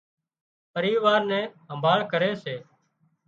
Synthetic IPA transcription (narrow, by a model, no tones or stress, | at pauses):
pəɾiːʋaːɾnɛ̃ːɦəmbʱaːɭkəɾeːseː